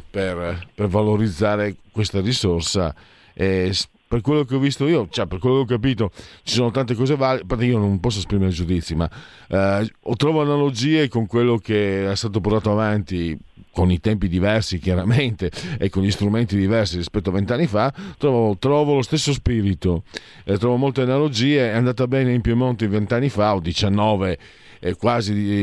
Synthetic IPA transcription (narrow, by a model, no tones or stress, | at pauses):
perpervaloɾid̪zːaːɾekwest̪aɾisorsa̰ | e | perkwelːokeɔvːist̪oiːot͡ʃɛperkwelːokeɔk̬ːapiːt̪ot͡ʃi̥soːnot̪ant̪ekɔːzevalpart̪eiːonõmpɔs̬ːospɾimeɾed͡ʒud̪it̪sːima | ɔt̪ːɾɔːvoanalod͡ʒiːekoŋkwelːokeɛst̪aːt̪opoɾrt̪aːt̪oavant̪i | konit̪ɛmpid̪ivɛrsik̟jaɾament̪eekːoʎist̪ɾument̪id̪ivɛrsiɾispɛt̪ːoavent̪anːifat̪ːɾɔvot̪ɾɔːvolost̪esːospiɾit̪o | t̪ɾɔːvomolt̪eanalod͡ʒiːeɛand̪aːt̪abɛːneimpjemont̪ivent̪anːifaod̪it͡ʃanːɔːve | ekwaːzi